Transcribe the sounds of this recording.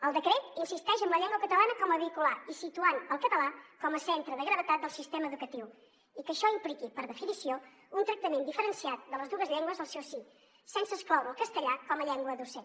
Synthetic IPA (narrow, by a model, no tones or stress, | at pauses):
əlˠd̪əkɾɛt̪insist̪ɛʒəmbləʎɛŋɡwəkət̪əlanəkɔməβikulaisit̪uanəlˠkət̪əlakɔməsɛnt̪ɾəðəɣɾəβət̪at̪̚d̪əlˠsist̪ɛməːðukət̪iw | ikəʃɔimplikipəɾðəfinisio | unt̪ɾək̚t̪əmend̪ifəɾənsiat̪̚d̪ələzðuɣəzʎɛŋɡwəzðəlˠsɛwsi | sɛnsəːsklɔwɾəlˠkəst̪əʎakɔməʎɛŋɡwəðusɛ